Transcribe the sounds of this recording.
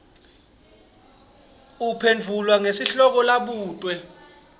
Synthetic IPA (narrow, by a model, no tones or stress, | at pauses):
upʰend͡vʱulwaŋesiɬɔk̬ɔlaɓuːtʼwɛ